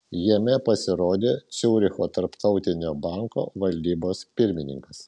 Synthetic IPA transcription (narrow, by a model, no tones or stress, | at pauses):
jiɛmʲɛpɐsʲɪɾoːd̪ʲeːt͡ʃʲɛʊɾʲɪxoːt̪ɐɾpt̪ɒʊt̪ʲɪnʲoːbɐˑŋko̰ːʋɐlʲd̪ʲiːboːspʲɪɾʲmʲɪnʲɪ̰ŋkɐs